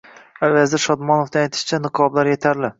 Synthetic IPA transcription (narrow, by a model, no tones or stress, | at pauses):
avazɪɾʃɒd̪mɒnofaajt̪ʰɪ̥ʃt͡ʃʰanɨqʰɒblaɾjet̪ʰaɾlɪ